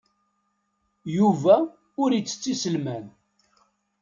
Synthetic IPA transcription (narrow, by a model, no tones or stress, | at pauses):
juvæ | ʊɾjit͡sːə̥t͡sːisəlmæn